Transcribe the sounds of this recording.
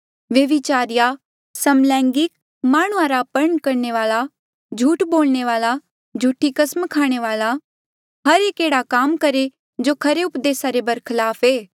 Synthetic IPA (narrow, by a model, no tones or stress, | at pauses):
ʋjɐʋɪt͡ʃaːɾija | sɐmlɛ̃ːŋɡɪk̚ | maːɽ̃uãɾapɐɾəɳkɐɾneʋaːla | d͡ʒʱuːʈboːlneʋaːla | d͡ʒʱuːʈʰikɐsmkʰaːɽ̃eʋaːla | ɦɐɾeːkeːɽakaːmkɐɾe | d͡ʒoːkʰɐɾeʊpd̪eːsaɾebɐɾkʰɪlaːpʰeː